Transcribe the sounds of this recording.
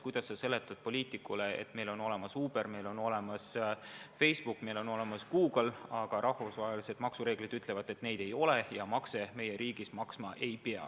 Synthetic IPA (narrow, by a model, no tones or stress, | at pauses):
kujd̪̥ɑsːɑse̞lːet̪ːˑɑd̪̥̚po̞liːt̪ikːule̞ḛt̪me̞jlo̞no̞le̞mɑsuːb̥e̞rme̞jlo̞no̞le̞mɑsfe̞jsb̥ukːˑme̞lo̞no̞le̞mɑskuːɡ̥lɑɡ̥ɑɾɑhvusvɑɦelise̞d̪̥mɑksuɾe̞ːɡ̥lid̪yt̪ˑle̞vɑd̪̥e̞t̪ne̞jd̪̥e̞jo̞le̞jɑmɑkse̞me̞jeɾʔiːɡ̥ismɑksmɑʔe̞jpeɑ̰